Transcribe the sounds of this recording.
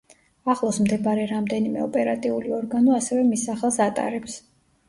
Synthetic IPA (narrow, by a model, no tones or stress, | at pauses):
aχlˠɔsmd̪ɛbaɾɛɾamd̪ɛnimɛɔpʼɛɾat̪ʼiuliɔɾɡanɔasɛvɛmisaχɛlˠsat̪ʼa̰ɾɛps